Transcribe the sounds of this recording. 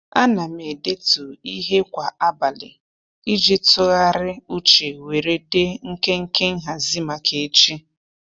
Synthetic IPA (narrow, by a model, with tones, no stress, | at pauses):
a˦na˨me˨de˦tu˨i˦ɦe˦kʷa˨a˦ba˨lɪ̰˨ | i˦d͡ʒi˦tʊ˦ɣa˦ɾɪ˦u˦t͡ʃe˨we˨ɾe˦de˦ŋ̩˦ke˦ŋ̩˦ke˦ŋ̩˦ɦa˨zi˦ma˨kʰe˨˦t͡ʃi˦